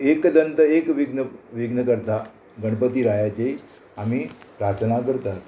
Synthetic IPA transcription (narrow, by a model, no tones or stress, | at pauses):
ekd̪ənt̪əekʋiɡnəʋiɡnəkəɾt̪a | ɡəɽ̃pət̪iːɾajat͡ɕe | amipɾat͡snakəɾt̪a